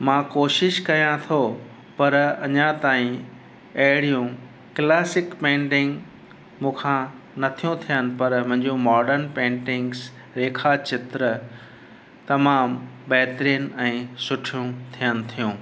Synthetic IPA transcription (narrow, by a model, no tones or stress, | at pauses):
mãkoːʃɪʃkɐjãt̪ʰo | pɐɾɐɲãt̪aːĩ | ɐɦɪɽijũ | klɛːsɪkpẽːɳʈɪ̃ŋɡ | mũːkʰã | nɐt̪ʰijũt̪ʰijənɪ̆pɐɾmʊ̃ɦɪ̃ɲd͡ʑũmɔːɾɖəɾnpẽːɳʈɪ̃ŋɡs | ɾeːkʰat͡ɕɪt̪ɾə | t̪ɐmaːmbɛːt̪ɾiːən̆ɛ̃ːsʊʈʰijũt̪ʰijənɪ̆t̪ʰijũː